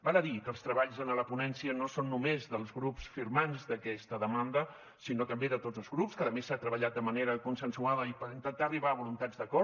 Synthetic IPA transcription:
baləðikəlˠst̪ɾəβaʎzənələpunɛnsiənosonːumezðəlˠzɣɾupsfiɾmanzd̪əkɛst̪əðəmand̪ə | sinot̪əmbeðət̪od͡zəlˠzɣɾupskəðəmesat̪ɾəβəʎat̪̚d̪əməneɾəkunsənsuaðəipəɾint̪ənt̪aəriβaəβulunt̪ad͡zd̪əkɔ

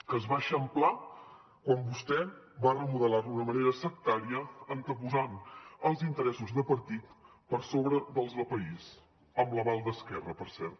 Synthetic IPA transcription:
kəzβaʃəmpla | kwambust̪ɛbarəmuðəlaɾunəməneɾəsək̚t̪aɾiəənt̪əpuzanəlˠzint̪əɾɛsuzðəpəɾt̪it̪ | pəɾsoβɾəðəlˠzðəlˠpəis | əmləβalˠd̪əskɛrəpəɾsɛɾt̪

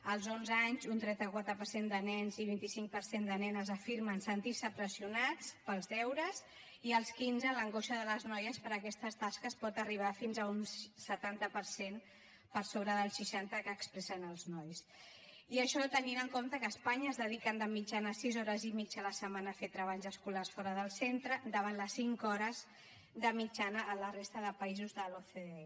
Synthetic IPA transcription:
əlˠzonzaɲzunt̪ɾɛnt̪əkwat̪ɾəpəɾsend̪ənɛnziβint̪isiŋk̚pəɾsend̪ənɛnəzəfiɾmənsənt̪isəpɾəziunat͡spəlˠzɛwɾəz | iəlˠskinzələŋɡoʃəðələznɔjəspəɾəkɛst̪əst̪askəspɔt̪əriβ̞afinzəunsət̪ant̪əpəɾsen | pəɾsoβɾəðəlˠsiʃant̪əkəːkspɾɛsənəlˠznɔjs | iəʃɔt̪əninəŋkomt̪əkəːspaɲəːzðəðikənd̪əmid͡ʒanəsizɔɾəzimid͡ʒələsəmanəfet̪ɾəβaʎzəskularsfɔɾəðəlˠsent̪ɾəd̪əβanləsiŋkɔɾəz | d̪əmid͡ʒanəːlərest̪əðəpəizuzðəloθeðe

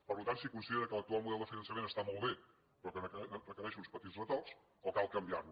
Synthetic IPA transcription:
pəɾlut̪ansikunsiðeɾəkələkt̪ualˠmuðɛlˠd̪əfinənsəmenəst̪amɔlˠβe | pɾɔkənəkərəkəɾɛʃunspət̪izrət̪ɔs | ɔkalˠkəmbia̰ɾnu

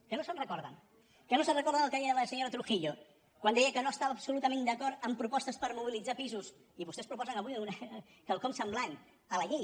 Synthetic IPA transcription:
kənosənrəkɔɾðə̰n | kənosənrəkɔɾðənəlˠkəðiəðləsəɲoɾət̪ɾuxiʎo | kwand̪ɛjəkənoəst̪aβəːbsulut̪əmẽnd̪əkɔɾt̪əmpɾupɔst̪əspəɾmuβilid͡zapizus | iβust̪ɛspɾupɔzənəβuiun | kəlˠkɔmsəmblan | ələʎe

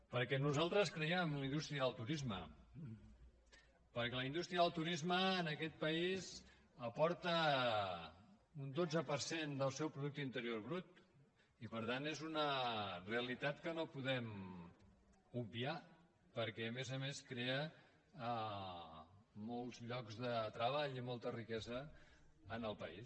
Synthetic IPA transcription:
pəɾkɛnuzalˠt̪ɾəskɾəɛmləind̪ust̪ɾiəðəlˠt̪uɾizmə̰ | pəɾkɛləind̪ust̪ɾiəðəlˠt̪uɾizməːnəkɛt̪̚pəiz | əpɔɾt̪ə | und̪od͡zəpəɾsend̪əlˠsɛwpɾuðuk̚t̪əint̪əɾjoɾβɾut̪ | ipəɾt̪anezunəreəlit̪at̪kənopuðɛm | ubia | pəɾkɛːmezəmeskɾeə | molˠzʎɔkzðət̪ɾəβ̞aʎimɔlˠt̪ərikɛzəː | nəlˠpəis

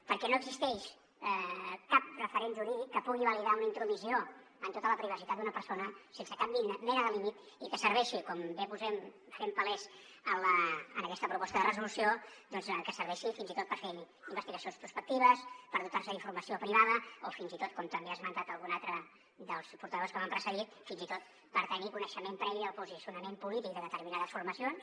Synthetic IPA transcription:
pəɾkɛnoəɡzist̪ɛʃ | kap̚rəfəɾenʒuɾiðikːəpuɣiβəliðaunəint̪ɾuðuzio | ənt̪ot̪ələpɾiβ̞əsit̪at̪̚d̪unəpəɾsonəsensəkambimɛnəðəlimit̪ | ikəsəɾβɛʃikɔmbepuzɛm | fɾɛmpəlɛz | ənləːnəkɛst̪əpɾupɔst̪əðərəzulusijod̪ɔnzəkəsəɾβɛʃifinzit̪ot̪̚pəɾfe | imbəst̪iɣəsionspɾuspək̚t̪iβ̞əspəɾðut̪arsəiɱfuɾməsiopɾiβaðəofinzit̪ot̪̚kɔmt̪əmbeazmənt̪at̪əlˠɣunalˠt̪ɾə | d̪əlˠspuɾt̪əðoskəβampɾəsəðit̪finzit̪ot̪̚ | pəɾt̪ənikunəʃəmempɾɛβiəlˠpuzisiunəmempulit̪ik̚d̪əðət̪əɾminaðəsfuɾməsions

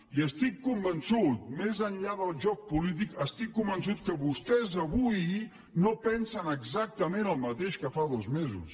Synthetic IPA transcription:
iəst̪ikːumbənsut̪̚mezənʎaðəlˠʒɔk̚pulit̪̬ikəst̪ikːumbəns̬ut̪̚kəβust̪ɛzəβuj | nopɛnsənəɡzak̚t̪əmenəlˠmət̪eʃkəfaðozmezṵs

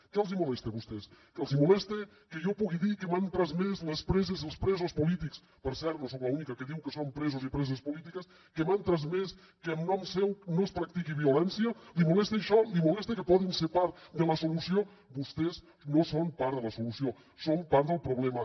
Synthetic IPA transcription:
kɛəlˠzimulɛst̪eβust̪eskəlˠzimulɛst̪e | kəjopuɣiðikəmant̪ɾazmezləspɾɛzezelˠspɾɛzospulit̪iks | pəɾsɛɾt̪nosowlaunikɐkəðiwkəsompɾɛzuzipɾɛzospulit̪ikəs | kəmant̪ɾazmes | kəːmnɔmsɛwnospɾak̚t̪ikiβiulɛnsiəlimulɛst̪eʃɔlimulɛst̪ekəpɔðinsepaɾd̪ələsulusio | bust̪ez | nosompaɾðəlɐsulusio | sompaɾt̪ðəlˠpɾuβlɛmɐ

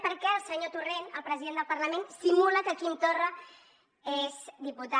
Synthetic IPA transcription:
pəɾkɛəlˠsəɲot̪urenəlˠpɾəziðend̪əlˠpɐɾləmensimuləkəkint̪orə | ezd̪iput̪a

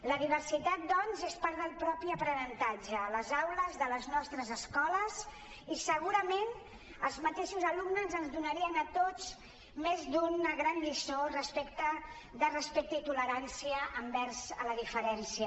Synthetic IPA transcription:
ləðiβərsit̪at̪̚d̪ɔnzespaɾðəlˠpɾɔpiəpɾənənt̪ad͡ʒələzawləzðələznɔst̪ɾəzəskɔləz | isəɣuɾəmen | əlˠzmət̪eʃuzəlumnəzənzðunəɾiənət̪ot͡s | mezd̪unəɣɾanʎisorəspekt̪ə | ðərəspek̚t̪əit̪uləɾansiəʔəmbɛɾzələðifəɾɛnsiə

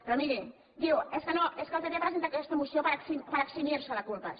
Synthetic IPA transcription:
pɾɔmiɾi | d̪iweskənoeskəlˠt̪eɾeɐpɾəzent̪akɛst̪əmusiopəɾaksipəɾaksimiɾsəlɐkulpə

